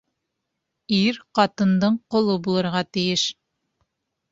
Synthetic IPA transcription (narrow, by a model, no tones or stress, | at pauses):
iɾqɑt̪ɤ̆nd̪ɤɴqŏlˠɤbulˠɤ̆ɾʁɑt̪ijɘʃ